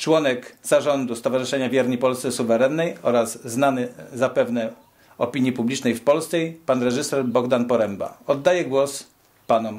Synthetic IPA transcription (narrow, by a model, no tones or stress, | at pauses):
t͡ʂwɔnɛkz̥aʐɔnd̪ust̪ɔvaʐɘʂɛɲavʲjɛɾɲipɔlst̪sɛsuvɛɾɛnːɛjɔɾazːnanɘzapɛvnɛ | ɔpʲiɲjipublʲit͡ʂnɛjfpɔlst̪sɛjpanɾɛʐɘsɛɾbɔɡd̪anpɔɾɛmba̰ɔd̪ːajɛɡwɔs | panɔm